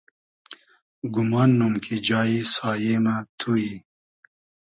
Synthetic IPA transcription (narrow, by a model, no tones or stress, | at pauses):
ɡʊmɑːnːumkʰid͡ʒɑːisɑːjemat̪ʰuji